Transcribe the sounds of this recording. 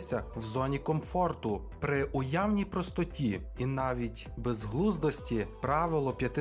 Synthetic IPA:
sʲɐwzɔnʲikɔmfɔrt̪ʊ | pɾɪʔʊjawnʲijpɾɔst̪ɔtʲi | inɑʋʲitʲbezɦlˠuzd̪ɔsʲtʲipɾɑʋɪlˠɔpʲjɐt̪ɪ

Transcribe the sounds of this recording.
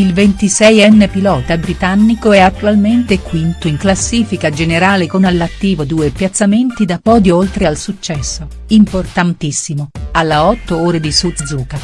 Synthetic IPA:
ilvent̪isɛjɛnːepilɔːt̪abɾit̪anːikoɛat̪ːualment̪ekwint̪oiŋklasːiːfikad͡ʒeneɾaːlekonalːat̪ːiːvod̪uːepjat̪sːament̪id̪apɔːd̪joolt̪ɾealsut͡ʃːɛsːo | import̪ant̪isːimoalːeɔt̪ːooːɾed̪isut̪d̪zuːka

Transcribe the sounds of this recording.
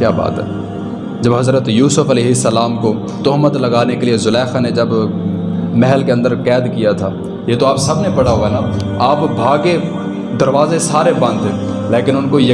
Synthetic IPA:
kjaːba̰ːt̪ɦɛ̰ː | d͡ʒɐbɦɐzɾət̪juːsʊfɐlɛːɦɪsːəlaːmko | t̪ɔɦmət̪lɐɡaːnekeliezʊlɛːxaned͡ʒɐb | mɛɦəlkeɐ̃nd̪əɾkɛːd̪kijat̪ʰaː | jeːt̪oaːpsɐbnepɐɽaɦoana | aːpbʱaːɡe | d̪ɐɾʋaːzesaːɾebãːnd̪e | leːkɪnʊnkojɐ

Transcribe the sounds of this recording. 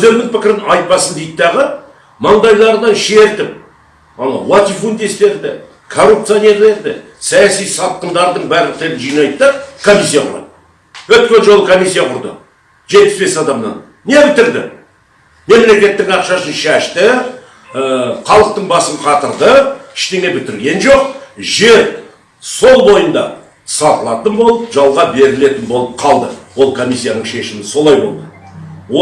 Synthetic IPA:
wɵzd̪e̞ɾmɪŋpʰɪkʲɪɾɪnʔɑjt̪̚pɑsənd̪ejt̪əd̪ɑʁə | mɑɴd̪ɑjlˠɑɾnɑnʃe̞ɾt̪ɪp̚ | ɑ̰l̰ˠwot̪ʲifund̪est̪e̞ɾd̪ɪ | kʰo̞rːupt̪sɨjonʲe̞ɾle̞ɾd̪ɪ̰ | sɑjɑsijsɑt̪̚qəmd̪ɑɾd̪əɴbæɾlɪq̚kt̪e̞ɾɪnʒijnɑjt̪d̪əkʰo̞mʲijsːijɑqʰʊɾɑ̰t̪ | wɵt̪̚kʲenʒo̞lˠəkʰo̞mʲijsʲːijɑqʰʊɾd̪ə̰ | ʒet̪̚pɪ̥zbe̞sɑd̪ɑmnɑ̰nːebɪt̪ɪɾd̪ɪ̰ | me̞mle̞kʲe̞t̪ːɪŋɑqʃɑʃənʃæʃt̪ɪ | qʰɑlˠəq̚t̪əɴbɑsəmqʰɑt̪əɾd̪əɪ̥ʃt̪e̞ŋe̞bɪt̪ɪɾɡʲe̞nʒo̞q̚ʒe̞ɾ | so̞lˠbo̞jənd̪ɑ | sɑqəlˠɑt̪ənbo̞lˠəpʒɑlˠʁɑbe̞ɾɪle̞t̪ɪnbo̞lˠəp̚qʰɑlˠd̪əwo̞lˠkʰo̞mʲijsːijanəɴʃe̞ʃɪmɪnso̞lˠɑjbo̞̰lˠd̪ə | wo

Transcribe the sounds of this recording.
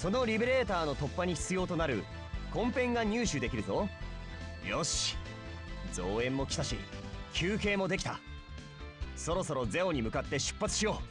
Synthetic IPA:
so̞no̞ɾʲibeɾe̞ːt̪aːno̞t̪o̞pːaɲ̟içʲi̥t͡sɨjo̞ːt̪o̞naɾɯ̟ | kõ̞mpẽ̞ŋɡaɲ̟ɨːɕɨd̪e̞kʲiɾɯ̟t̪o̞ | joɕi̥ | d͡zo̞ːẽ̞mːo̞kʲi̥t̪aɕḭkʲʰɨːke̞ːmo̞d̪e̞kʲi̥t̪a | so̞ɾo̞so̞ɾo̞d͡ze̞o̞ɲ̟imɯ̟kat̪ːe̞ɕɨ̥pːat͡sɨ̥ɕijo̞ː

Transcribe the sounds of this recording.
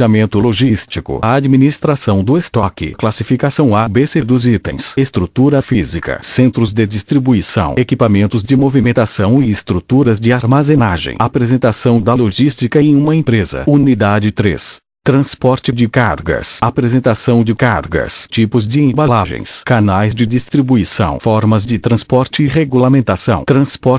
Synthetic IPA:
amẽnt̪ʊloʒist͡ʃikʊ̰ɐad͡ʒminist̪ɾasɐ̃w̃d̪ʊest̪ɔkɪ̰klasifikasɐ̃w̃abesed̪ʊzit̪ḛ̃j̃sest̪ɾut̪uɾɐfizikɐ̰sẽnt̪ɾʊzd̪ɪd͡ʒist̪ɾibuisɐ̰̃w̃ekipamẽnt̪ʊzd͡ʒɪmovimẽnt̪asɐ̃w̃ɪɪst̪ɾut̪uɾɐzd͡ʒɪaɾmazẽnaʒḛ̃j̃apɾezẽnt̪asɐ̃w̃d̪ɐloʒist͡ʃikɐẽj̃ũmɐẽpɾezɐ̰unid̪ad͡ʒɪt̪ɾḛs | t̪ɾɐ̃spɔɾt͡ʃɪd͡ʒɪkaɾɡɐ̰sapɾezẽnt̪asɐ̃w̃d͡ʒɪkaɾɡɐ̰st͡ʃipʊzd͡ʒɪẽbalaʒḛ̃j̃skanajzd͡ʒɪd͡ʒist̪ɾibuisɐ̰̃w̃fɔɾmɐzd͡ʒɪt̪ɾɐ̃spɔɾt͡ʃɪɪʁeɡulamẽnt̪asɐ̃w̃t̪ɾɐ̃spɔɾ

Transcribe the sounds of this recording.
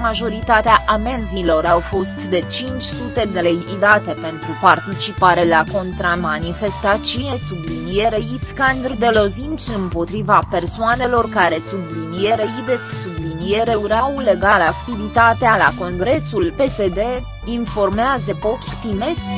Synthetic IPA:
maʒo̞ɾit̪at̪eaʔamenzilo̞ɾawfo̞st̪d̪e̞t͡ʃint͡ʃʲsut̪e̞d̪e̞le̞jid̪at̪e̞pe̞nt̪ɾupart̪it͡ʃipaɾe̞lako̞nt̪ɾamanife̞st̪at͡ʃije̞sublinieɾeiskand̪rd̪e̞lo̞zint͡ʃɨmpo̞t̪ɾivape̞rsuane̞lo̞rkaɾe̞sublinie̞ɾejid̪e̞ssublinie̞ɾe̞uɾawle̞ɡalakt̪ivit̪at̪ealako̞ŋɡɾe̞sulpe̞se̞d̪e̞ | info̞rmeazəpo̞ft̪t̪imes

